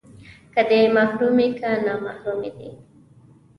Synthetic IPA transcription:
kəd̪emahɾumekanɑmahɾumed̪ḭ

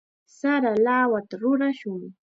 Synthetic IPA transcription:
saɾalawat̪aɾʊɾaʃʊŋ

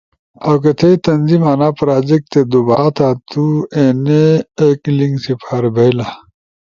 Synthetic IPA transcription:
ɐwk̬et̪ʰeit̪ɐnzimaːnaːpɾaːd͡ʑek̚t̪ed̪ubaːt̪ʰat̪ueːneːkliŋɡsipʰaːɾbʱɐila

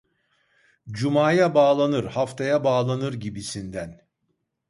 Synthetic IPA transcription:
d͡ʒumaːjabaːlˠanɯɾhaft̪ʰajabaːlˠanɯɾɟibisind̪æn

